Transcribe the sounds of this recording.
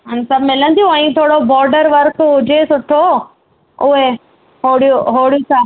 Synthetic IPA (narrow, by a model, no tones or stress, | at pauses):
ɦansɐbmɪlənt̪ʰijũɐ̃ĩt̪ʰoːɽobɔːɾɖəɾʋəɾkɦʊd͡ʑesʊʈʰːo | ʊɦe | ɦoːɽijoɦoːɽijũsaː